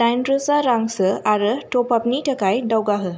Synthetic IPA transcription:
ʈajnɖɾusaɾãŋɡsəaɾəʈopapniʈʰəkajɖəwɡaɦə

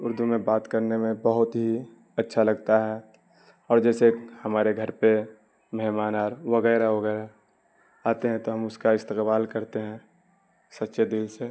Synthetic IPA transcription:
ʊɾd̪umẽbaːt̪kəɾnemẽbəɦʊt̪ɦi | ɐtːʃʰalɐɡt̪aɦɛ | ɔːɾd͡ʒɛːsehɐmaːɾeɡʱɐɾpe | mɛɦmaːnaːɾʋəɣɛːɾaʋɐɣɛːɾa | aːt̪eɦɛ̃t̪oɦɐmʊskaɪst̪ɪqbaːlkɐɾt̪eɦɛ̃ | sɐt̪ːʃed̪ɪlse

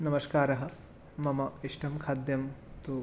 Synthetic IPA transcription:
nɐmɐskaːɾɐɦɐ̆ | mɐmɐiʂʈɐmkʰaːd̪jɐmt̪u

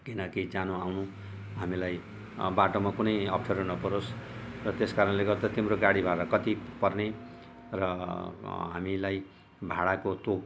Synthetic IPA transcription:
kinʌkid͡zanoawnu | ɦamilaj | baʈomakunʌjʌpʰt͡sʰʌɾonʌpʌɾosrʌt̪eskaɾʌnleɡʌɾt̪at̪imroɡaɽibʱaɽakʌt̪ipʌrne | rʌ | ɦamilaj | bʱaɽakot̪ok

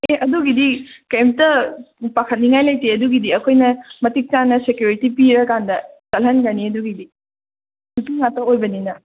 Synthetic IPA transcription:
eɐduɡidikɐjmtɐpɐkʰɐt̚niŋajlɐjteɐduɡidiɐkʰojnɐmɐtik̚tanːɐsekjuɾitipiɾɐkandɐtɐlɦɐnɡɐniɐduɡidi | sutiŋatɐojbɐninɐ

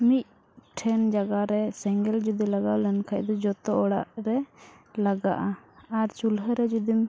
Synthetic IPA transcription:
mic̪̚ | ʈʰɛnd͡ʒaɡaɾɛsɛŋɡɛld͡ʒud̪ilaɡaʔlɛnkʰac̚d̪ɔd͡ʒɔt̪ɔʔɔɽa̰ʔɾɛ | laɡa̰ʔaaɾt͡ʃulɦəɾɛd͡ʒud̪im

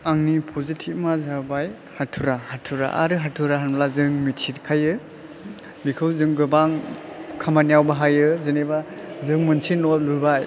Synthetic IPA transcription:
aŋnipʰɔzitʰipmazabaj | hatʰuɾahatʰuɾa̰ʔa̰ɾɯɦatʰuɾaɦanmlazɯŋmitʰitkʰajɯ | bikʰɯwzɯŋɡɯbaŋkʰamanjawbaɦajɯzɯnebazɯŋmɯnsinɔt̚lubaj

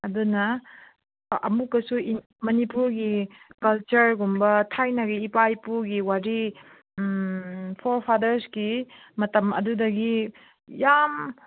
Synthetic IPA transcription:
ɐdunɐ | ɐ̰mukɐsui | mɐnipuɾɡikɐlt͡ʃɐɾɡumbɐtʰajnɐɡiːpajpuɾɡiwaɾi | pʰoɾpʰadɐɾsɡi | mɐtɐmɐ̰dudɐɡi | jam

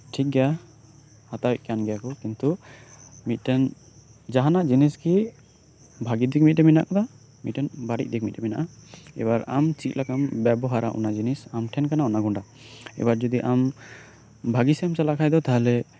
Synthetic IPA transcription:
ʈʰik̚ɡa | hat̪awɛʔ̚kanɡɛjakɔkint̪u | mit̪̚ʈɛn | d͡ʒaɦanaʔd͡ʒiniski | bʱaɡid̪ik̚mit̪̚dɛmina̰ʔkɔd̪a | mit̪̚tɛnbaɾḭc̚ˀd̪ik̚mit̪̚dɛmɛnaʔaɛ̰baɾamt͡ʃit̪lakambɛbɔɦaɾaʔṵnad͡ʒinisamʈʰɛnkanaɔnaɡɔɳɖa | ɛ̰baɾd͡ʒɔd̪iʔam | bʱaɡismsalakʰajd̪ɔt̪ʰaɦalɛ

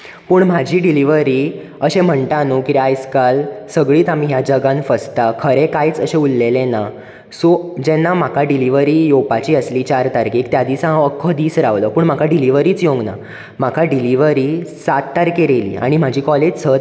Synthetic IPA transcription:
puːɳm̤ad͡ʑʱiːɖiliʋəɾiː | əɕẽm̤əɳʈ̪anukit̪ajskalsəɡɭiːt̪am̤iːɦjad͡ʑəɡãnfəst̪akʰəɾekajt͡səɕẽulːelẽna | sod͡ʑɛnːam̤akaɖiliʋəɾiːjopat͡ɕiːəsliːt͡ɕaɾt̪aɾkiːkt̪jad̪iːsãɦãəkʰːəd̪iːsɾaʋləːpuːɳm̤akʰaɖiliʋəɾiːt͡sjoŋɡna̰ | m̤akʰaɖiliʋəɾiːsat̪ːaɾkeɾelḭːa̰ɽ̃im̤ad͡ʑʱiːkɔled͡ʑsət̪

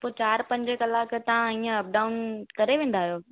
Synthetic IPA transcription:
poːt͡ɕaːɾpɐ̃ɲd͡ʑkɐlaːkt̪ɐãiːə̃ɐp̚ɖaːʊnkɐɾeʋẽːn̆d̪aːɦijoː

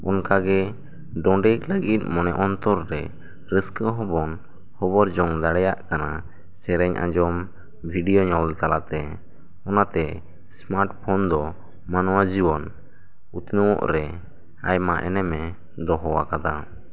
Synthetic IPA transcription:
ɔnkaɡɛ | ɖɔ̃ɖɛkləɡit̪̚mɔnɛʔɔnt̪ɔɾːɛ | ɾəskəɦɔbɔn | hɔbɔɾd͡ʒɔŋd̪aɽɛjaʔkana | sɛɾɛɲʔã̰d͡ʒɔm | bʱiɖijɔɲɔlt̪alat̪ɛ | ɔnat̪ɛ | smaɾʈ̚pʰɔnd̪ɔ | manɔwad͡ʒibɔn | ut̪nəwɔ̰ʔɾɛ | a̰jmaʔɛ̰nɛmɛ | d̪ɔɦɔwakad̪a

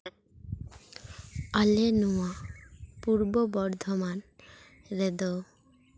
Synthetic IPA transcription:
alenuapuɾbobɔɾd̪ʱoman | ɾed̪o

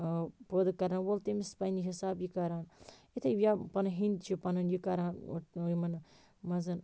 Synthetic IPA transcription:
pəd̪kɐɾaːnwolt̪imispɐjniɦisaːbjikaɾaːnit̪ʰɐʋʲjapɐnɐɦind̪t͡ʃʰipɐnɐnjikaɾaːn̰jmɐn | mɐzɐn

